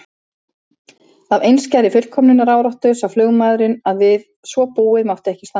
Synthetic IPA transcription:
θavejnscajɾɪfʏl̥kʰɔmnʏnaɾaːwɾɔht̪ʏsawflʏːɣmajðɾɪnaðvɪð | svɔpuːɪðmawht̪ɛhcɪst̪a

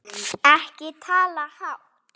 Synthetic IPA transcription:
ahkɪt̪ʰalahaw

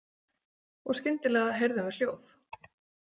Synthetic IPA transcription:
ɔɣscɪnt̪ɪlɛːɣaɦejɾðʏmvɪɾ̥l̥joːwθ

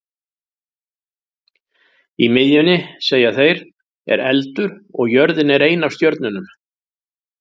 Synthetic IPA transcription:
imɪðjʏnːɪseːjaθejɾ̥ | ɛ̰ɾɛlt̪ʏɾɔɣjœɾðɪnɛɾejnawst̪jœɾt̪nʏnʏm

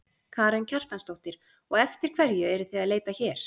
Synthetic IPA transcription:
kʰaːɾɛncʰar̥t̪lanst̪owht̪ɪɾ̥ | ɔɣɛft̪ɪɾ̥kʰvɛɾjʏɛɾʏθiaðleːjt̪açɛːɾ̥

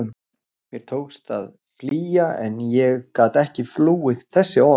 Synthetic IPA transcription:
ʏm | mjɛɾ̥t̪ʰoːwkst̪að | fliːjaɛ̰njɛɣkaːt̪ɛhcɪfluːɪð̥θɛsːɪɔ

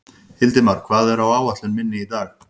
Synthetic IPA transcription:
hɪlt̪ɪmaɾ̥kʰvaːðɛɾawaːwaht̪lʏnmɪnːɪit̪aːɣ

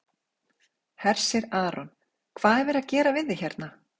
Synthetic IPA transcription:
hɛr̥sɪɾaːɾɔn | kʰv̥aːðɛɾvɛɾaðcɛːɾavɪðɪçɛɾt̪̚na

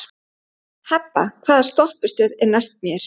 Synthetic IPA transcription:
hɛpːa̰kʰv̥aːðast̪ɔhpʏ̥st̪œːðɛɾnajst̪̚mjɛɾ̥

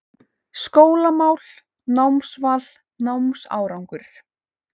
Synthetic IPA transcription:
skoːwlamaːwl̥ | nawmsval | nawmsa̰ːwɾawŋkʏɾ̥

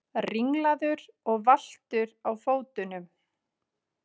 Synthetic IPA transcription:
riŋlaðʏɾɔɣval̥t̪ʏɾawfoːwt̪ʏnʏm

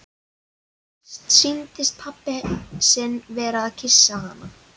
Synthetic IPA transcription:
sint̪ɪst̪̚pʰapːɪsɪnːvɛːɾaːðcʰɪsːahanːa

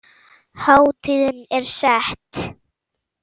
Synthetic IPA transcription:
haːwt̪ʰiːðɪnɛɾ̥sɛht̪

